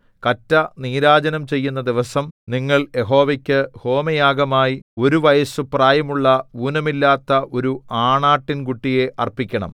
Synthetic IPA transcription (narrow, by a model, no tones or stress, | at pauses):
kɐtːɐniːɾaːd͡ʑɐnɐmt͡ɕe̞jːunːɐd̪iʋɐsɐmniŋːɐɭje̞ɦo̞ːʋɐkʲːɨho̞ːmɐjaːɡɐmaːjio̞ɾuʋɐjɐsupraːjɐmuɭːɐuːnɐmilːaːt̪ːɐʔo̞ɾuaːɳaːʈːinkuʈːije̞ʔɐrpikʲːɐɳɐ̰m